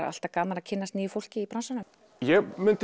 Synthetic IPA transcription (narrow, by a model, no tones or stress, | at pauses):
a̰a̰l̥t̪akaːmalacʰɪnːast̪niːʏfowl̥cɪipɾansanʏm | jɛmʏnt̪